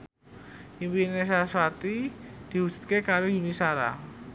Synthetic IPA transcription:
ʔimpines̬aswat̪id̪̥i̤ɦu̥d͡ʒ̥ṳ̥t̪̚kekaɾojunisaɾa̰

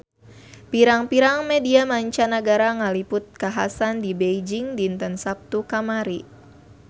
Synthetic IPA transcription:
piɾaŋpiɾaŋmediamaɲt͡ʃanaɡaɾaŋalipʊt̪̚kaɦa̰sandibejd͡ʒiŋdiːnt̪ənsap̚t̪ukamaɾi

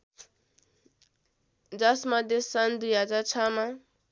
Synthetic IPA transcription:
d͡zʌsmʌd̪ʱjesand̪ujad͡zat͡sʰama

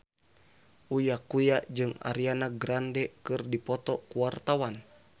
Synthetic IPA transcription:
ujakujad͡ʒɨŋa̰ɾianaɡɾandɛkɨrdipɔt̪ɔkuart̪awan

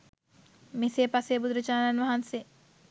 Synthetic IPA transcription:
meseːpasebud̪uɾət͡ʃaːnanʋɐɦanse

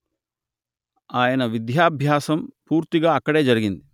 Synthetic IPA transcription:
aːjɐnɐʋid̪jaːbʱjaːsɐmpuːɾt̪iɡaːɐkːɐɽe̞ːd͡ʒɐɾiɡind̪i

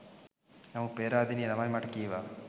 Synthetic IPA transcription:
nɐmupeːɾaːd̪ininɐmajmaːʈkiʋa

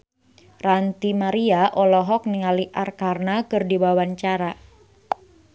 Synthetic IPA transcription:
rant̪imaɾiaʔɔlɔɦɔk̚niŋaliʔarkarnakɨrdibawaɲt͡ʃaɾa

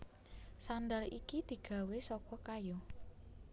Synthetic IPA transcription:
sand̪alikid̪̥i̤ɡ̥a̤wesɔkɔkajɔ

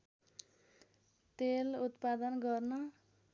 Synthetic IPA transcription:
t̪elut̪pad̪ʌnɡʌrnʌ

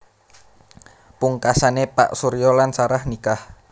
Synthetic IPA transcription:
puŋkasanepa̰ʔsuɾijɔlansaɾahnikah

